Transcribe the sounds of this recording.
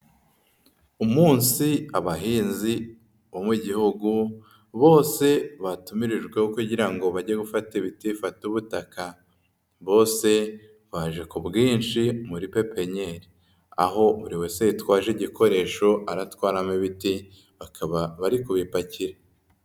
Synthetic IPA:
umuːnsiaβaɦiːnzi | βomwiɟihuɡu | βo̞ːse̞βatumiɾiʒɡwe̞hokuɟiɾaŋɡo̞βaɟeɡufatiβitifatuβutaka | βo̞ːse̞ | βaʒe̞kubɡiːnʃimuɾipe̞pe̞ɲe̞ɾi | a̰ɦo̞uɾiweseitwaːʒeɟikʰo̞ɾe̞ʃo̞ʔaɾatwaːɾameβiti | βakaβaβaɾikuβipaciɾe

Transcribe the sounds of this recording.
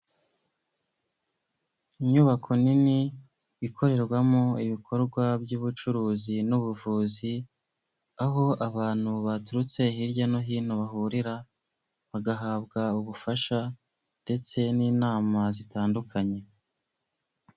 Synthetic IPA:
iɲuβakʰo̞nini | βikʰo̞ɾe̞ɾɡwamoiβikʰo̞ɾɡwabjuːβut͡ʃuɾuːzinuβuvuːzi | aɦo̞ʔaβaːn̥huβatuɾut͡se̞hiɾɟanoɦiːnoβaɦuɾiɾa | βaɡaɦaːbɡauβufaʃa | nde̞t͡se̞niːnaːmazitaːndukʰaɲe̞

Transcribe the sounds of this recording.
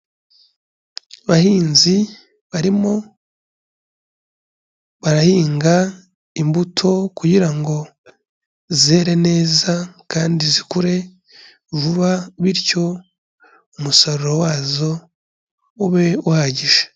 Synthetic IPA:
βahiːnzi | βaɾimo̞ | βaɾahiːŋɡa | imbutʰo̞kuɟiɾaŋɡo̞ | zeɾe̞ne̞ːzakaːndizikuɾe̞ | vuβaβiɾco̞ | umusaɾuɾowaːzo̞ | uβe̞uhaɟiʒe̥

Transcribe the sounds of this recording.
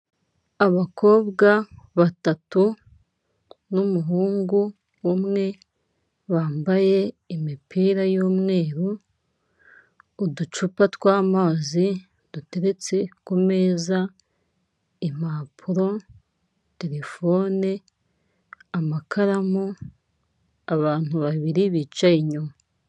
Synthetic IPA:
aβako̞ːβɡaβatatu | numuɦuːŋɡu | umŋe̞ | βaːmbaje̞ | imipiːɾajoːmŋe̞ːɾu | dut͡ʃupatwaːmaːzi | d̥ute̞ɾe̞t͡se̞kume̞ːza | im̥aːpʰuɾo̞ | te̞ɾe̞fo̞ːne | amakʰaɾamo | aβaːn̥huβaβiɾiβiːt͡ʃaiɲuma

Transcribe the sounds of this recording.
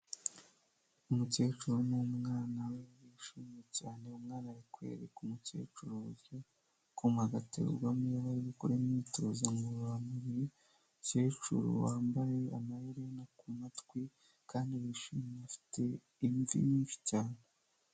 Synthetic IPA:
umuce̞ːt͡ʃuɾomumŋaːnawewiʃiːmjecaːne̞umŋaːnajikwe̞̰ɾekumuce̞̰ːt͡ʃuɾoɾjo | kumaɡatḛɾɡwamijaβaɾiβikoɾemɲiːto̞zaŋɡuɾuɾamuɾ | ce̞ːt͡ʃṵɾo̰waːmbaje̞amahiɾenakumatwi | kaːndiwiʃiːmeafi̥tʰe̞ | iɱvḭmiːnʃi̥caːne

